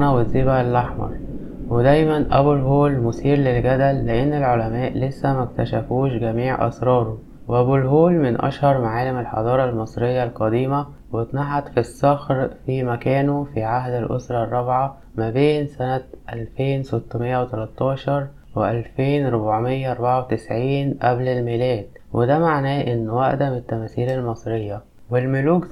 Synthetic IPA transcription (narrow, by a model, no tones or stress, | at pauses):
næwezibælːʔɑħmɑ̰ɾˤ | wed̪æjmænʔæ̰bulɦoːlmʊsiːɾlelɡæd̪ælːeʔenːelʕolæmæːʔlesːæmæk̚t̪æʃæfuːʃɡæmiːʕʔɑ̰sɾˤɑːɾˤo | wʔæbulɦoːlmɪnʔɑ̰ʃhɑɾˤmaʕaːlɪmelħɑ̰d̪ˤɑːɾˤɑlmɑsˤɾejːɑlqɑd̪iːmæ | wet̪naħat̪fisːɑxɾfimækæːnofiʕaɦd̪ælʔo̰sɾˤɑrˤːɑbʕa | mæbeːnsænæt̪ʔælfeːnset̪ːmejːæwet̪ælæt̪ˤːɑːʃɑɾˤ | weʔælfeːnɾobʕmejːæʔɑɾˤbaʕawet̪ɪsʕiːnʔæblelmilæːd̪ | wʔed̪æmaʕnæːʔɪnːwæʔd̪æmet̪ːæmæːsiːlælmɑsˤɾejːæ | wɪlmʊluːk